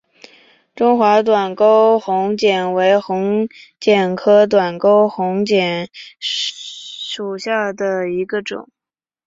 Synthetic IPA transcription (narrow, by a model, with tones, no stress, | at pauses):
ʈ͡ʂʊ˥ŋxwa˧˥t̪wa˨˩nko˥ʊxʊ˧˥ŋt͡ɕjɛ˨˩nwe˧˥ɪxʊ˧˥ŋt͡ɕjɛ˨˩nkʰɤ˥t̪̬wa˨˩nko˥ʊxʊ˧˥ŋt͡ɕjɛ˨˩˦n | ʂu˨˩ɕja˥˩d̪ə˩i˧˥ɡə˧ʈ͡ʂʊ̰˨˩˦ŋ